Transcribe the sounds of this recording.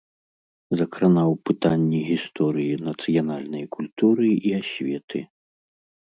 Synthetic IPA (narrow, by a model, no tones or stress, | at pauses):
zɐkɾanawpɨt̪anʲːiɣʲist̪ɔɾɨjinɐt̪sɨjanalʲnɐjkulʲt̪uɾɨiasʲvʲɛt̪ʰɨ̰